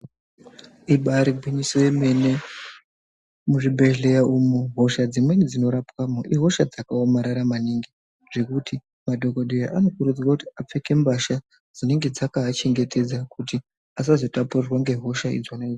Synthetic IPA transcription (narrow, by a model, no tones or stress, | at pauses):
iɓaɾibʱwiɲisojeme̞ne̞ | muʐibʱe̞ɮe̞jaʔumoɦo̞ʃad͡zimwe̞nid͡zino̞ɾapwamoʔiɦo̞ʃad͡zakaomaɾaɾamaniŋɡi | ʐ̥e̞kutʰi | madʱo̞koɗejaʔano̞kuɾud͡ziwakutiap͡fe̞ke̞mbaʃa | d͡zine̞ŋɡe̞d͡zakaːt͡ʃe̞ŋɡe̞tʰe̞d͡zakuti | as̬azo̞tapurirwaŋɡe̞ɦo̞ʃaḭd͡zwaned͡z